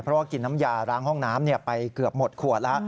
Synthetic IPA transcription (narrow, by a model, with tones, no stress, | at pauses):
pʰɾɔ˦˥waː˥˩ki˨˩nːa˦˥mjaː˧ɾaː˦˥˩ŋhɔ˥˩ŋnaː˦˥mni˥˩əpa˧jkɯ˨˩əp̚mo˨˩t̪̚kʰu˨˩ət̪̚la˦˥ʔ